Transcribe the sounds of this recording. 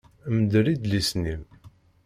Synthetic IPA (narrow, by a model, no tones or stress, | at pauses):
md̪əɾid̪lisnim